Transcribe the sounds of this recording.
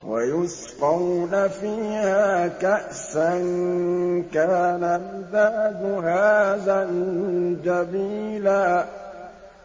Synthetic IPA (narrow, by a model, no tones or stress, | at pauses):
wa̰jʊsqɑwnafiːhaːkaʔsan | kaːnalðaːbʊɦaːðand͡ʒabiːlaː